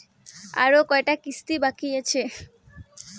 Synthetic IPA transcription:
a̰ɾokɔeʈakist̪ibakijet͡ɕʰe

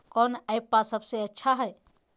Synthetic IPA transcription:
kɔːnəjpːasəbseətːʃʰaɦɛ

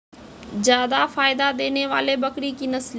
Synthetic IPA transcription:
zjaːd̪afaːɪd̪ad̪eːneʋa̰ːlebəkɾikinəsl

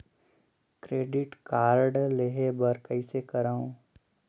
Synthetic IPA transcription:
kɾeːɖɪʈkaːɾɖleːɦebəɾkəisekɐɾaːũː

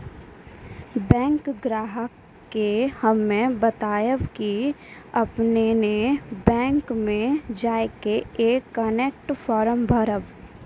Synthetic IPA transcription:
bɛ̃ːŋkɡɾaːɦəkː | ehəmẽbət̪aːjəʋkiɐpnenebɛ̃ːŋkmẽd͡ʒaːekeeːkːəneːk̚ʈfʰɔːɾəmbʱəɾəʋ

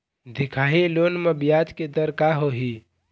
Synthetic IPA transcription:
d̪ikʰaɦilonmebijat̪ked̪əɾkaɦoɦi

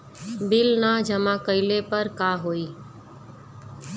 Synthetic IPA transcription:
bɪlnad͡ʒəmãkəɪlepəɾkaɦoːiː

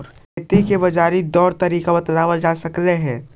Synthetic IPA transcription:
ɾ | t̪ikebɐd͡ʒaːɾid̪ɔːɾt̪ɐɾiːkabɐt̪laːʋəld͡ʒaːsɐkleɦɛ̃ː

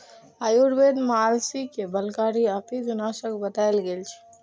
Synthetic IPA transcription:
ajuɾbed̪maːlsikebəlkaːɾiapid͡ʒunaːʃəkbət̪aːelɡeːlt͡ʃʰi̥

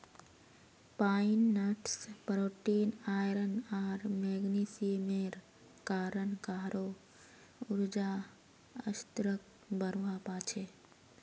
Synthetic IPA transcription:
paːinːəʈspɾoːʈiːnaːjɾənaːɾmɛːɡniːsimeɾ | kaːɾənkaɦɾo | ʊɾd͡ʒa | ə̰st̪ɾək̚ | bəɾʋapaːt͡ʃʰe

